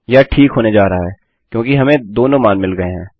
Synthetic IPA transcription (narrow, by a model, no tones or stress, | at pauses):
jaʈʰiːkɦoːned͡ʒaːɾɐɦaɦɛː | kjõːkiɦɐmẽd̪oːnõmaːnmɪlɡɐeɦɛ̃ː